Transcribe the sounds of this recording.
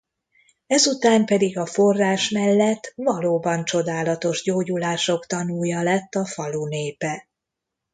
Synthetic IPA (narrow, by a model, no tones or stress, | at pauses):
ɛzut̪aːmpɛd̪iɡɒfo̞rːaːʃmɛlːɛt̪ːvɒloːbɒnt͡ʃo̞d̪aːlɒt̪o̞ʒɟoːɟulaːʃo̞kt̪ɒnuːjɒlɛt̪ːɒfɒluneːpɛ